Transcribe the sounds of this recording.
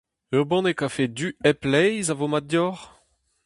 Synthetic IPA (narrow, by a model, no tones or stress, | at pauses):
øʁbɑ̃nekafedyɛplɛjzavomadjɔʁ